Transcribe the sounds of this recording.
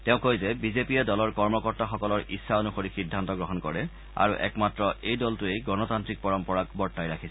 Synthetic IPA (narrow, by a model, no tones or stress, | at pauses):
tɛʊ̃kojzɛbizepiɛdɔlɔɹkɔɹmɔkɔɹtaxɔkɔlɔɹʔisːaonuxoɹixidʱːantɔɡɹɔɦɔnkɔɹɛ | a̰ɹuʔɛ̰kmatɹɔejdɔltʊejɡɔnɔtantɹik̚pɔɹɔmpɔɹak̚bɔɹtːajɹakʰisɛ